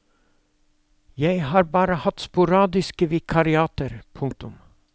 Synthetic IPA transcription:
jæɪhɑːɾbɑːɾəhɑt̪spʊɾɑːd̪ɪskəʋɪkʰɑɾɪɑːt̪əɾpʰʊŋk̚t̪ʊm

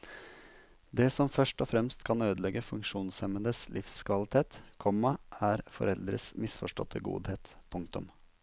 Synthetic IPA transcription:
d̪eːsɔmfœʂʈɔfɾɛmst̪kʰɑnøːd̪əlɛɡəfʉŋkʂuːnsɛmənd̪əslʔɪfskʰʋɑlɪt̪ʰeːt̪kʰɔmːɑʔæːɾfɔ̰ɾɛld̪ɾə̰smɪsfɔʂʈɔ̰t̪ʰəɡṵːd̪heːt̪pʰʊŋkt̪ʊ̰m

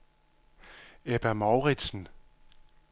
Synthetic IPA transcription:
eb̥æmɑʊʁid̥sn̩

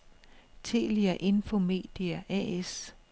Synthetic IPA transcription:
t͡sʰe̝̰ːliɐʔe̝nfo̝me̝̰ːd̥iæʔɛ̰es

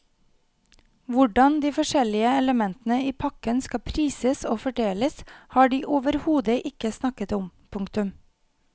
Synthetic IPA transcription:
ʋʊɖɑnd̪iːfɔʃɛlɪəɛləmɛnt̪n̩əiːpʰɑkənskɑpʰɾiːsəsoːfɔɖeːləshɑːɖiːʔoːʋəɾhuːd̪əʔɪkəsnɑkət̪ʊmpʰʊŋkt̪ʉm

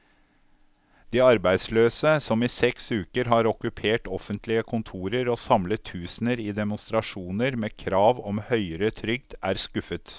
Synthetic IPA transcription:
d̪̥iːɑɾbæɪd̪sløːsəsɔmiːsɛksʉːkəɾɦɑɾɔkʉpʰeːʈɔfənt̪ʰlɪəkʰʊnt̪ʰuːɾəɾoːsɑmlət̪ʰːʉːsn̩əɾiːd̪ɛmʊnst̪ɾɑʂuːnəɾmeːkʰɾɑːʋɔmhœʏəɾət̪ʰɾʏɡ̚d̪æːɾskʉfət̪

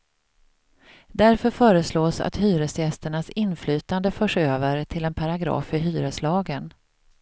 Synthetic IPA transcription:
d̪æɾfœɾfœːɾəsloːsa̰t̪hyːɾəsjɛst̪əɳasɪnflyːt̪and̪əfœːʂøːvəɾʈʰɪlɛnpʰaɾaɡɾɑ̰ːfːœɾɦyːɾəslɑːɡən

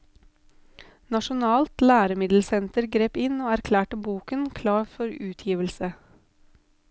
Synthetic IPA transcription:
nɑʃʊnɑːlt̪læːɾəmɪd̪l̩sɛnt̪əɾɡɾeːpɪnoːæɾkʰlæːʈəbuːkənkʰlɑːɾfɔɾʉːt̪ʰjiːʋəlsə

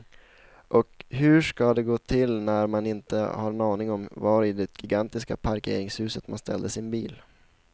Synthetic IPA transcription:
ʔɔkɦɵʂkad̪ɛɡoːt̪ʰɪlnæɾmanɪnt̪ə̰haɾɛnɑːnɪŋɔmvaɾɪd̪ɛɡ̥ɪɡant̪ɪska̰pʰaɾkʰḛːɾɪŋshʉ̟ːsət̪manst̪ʰɛ̰ld̪əsɪnbiːl

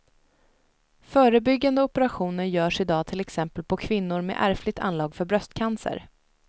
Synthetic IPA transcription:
fœːɾəbʏɡːand̪əɔpəɾaɧuːnəɾjœːʂɪd̪ɑːt̪ʰɪlɛksɛmpəlpʰɔkʰvɪnːʊɾmḛʔæ̰ɾflɪt̪ʰa̰nlɑːɡfœɾbɾœst̪kʰansə̰ɾ

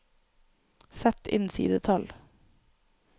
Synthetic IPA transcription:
sɛt̪ɪ̰nsḭːd̪ət̪ʰɑl

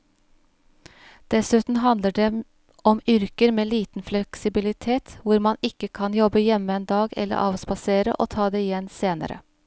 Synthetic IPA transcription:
d̪̥ɛsʉːt̪n̩ɦɑnd̪ləɖe | ɔmʏɾkəɾmeːliːt̪n̩flɛksɪbɪlɪt̪ʰeːt̪ʋʊɾmɑnɪkːəkʰɑnjɔbəjɛmːəɛːnd̪ɑːɡɛ̰lːə̰ɾʔɑːʋspɑseːɾə̰ʔoːt̪ʰɑːd̪eːɪjɛnseːnə̰ɾə̰

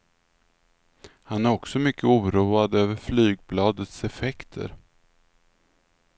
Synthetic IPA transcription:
hanæɾɔksɔmʏkːəuːɾuːad̪øːvəɾflyːɡ̚blɑːd̪ət̪sɛfɛkt̪ʰə̰ɾ

